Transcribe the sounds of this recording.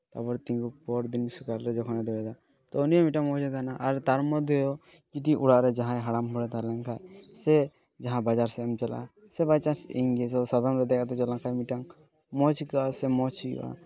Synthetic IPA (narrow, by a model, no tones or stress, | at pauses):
t̪abɔɾt̪ĩŋɡuk̚pɔɾd̪insukaɾɾɛd͡ʒɔkʰɔnɛd̪ɛbɛd̪a | t̪ɔɔnijɔmiʈaŋmɔt͡ʃɛt̪anaʔaɾt̪aɾmɔd̪ʱjɔjɔ | d͡ʒiʈ̬iʔuɽaʔɾɛd͡ʒaɦãɦaɽamɦɔɽɛt̪alɛŋkʰajsɛ | d͡ʒaɦãbad͡ʒaɾsɛamt͡ʃala̰ | sɛbajt͡ʃasiŋɡɛsɔsad̪ʱɔmɾɛd̪ɛkʰat̪ɛt͡ʃɛlaŋkʰajmiʈaŋ | mɔt͡ʃkasɛmɔt͡ʃikʔa̰